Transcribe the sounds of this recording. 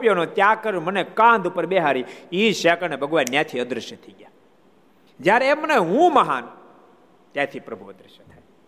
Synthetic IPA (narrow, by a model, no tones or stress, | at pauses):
pjonõt̪jakəɾũmənekãnd̪upəɾbeɦaɾiiʃakənebʱəɡʋanjat̪ʰiəd̪ɾəʃət̪ʰəiɡja | d͡ʒjaɾeeməneɦũməɦa̰n | t̪jat̪ʰipɾəbʱuəd̪ɾəʃət̪ʰaj